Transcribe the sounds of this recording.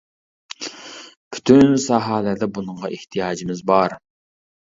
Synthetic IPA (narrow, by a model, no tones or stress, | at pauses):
pʰy̥t̪ʰynsɑɦɑːlæd̪ɛbunəɴʁɑʔeht̪ʰijɑːd͡ʒimɪzbɑɾ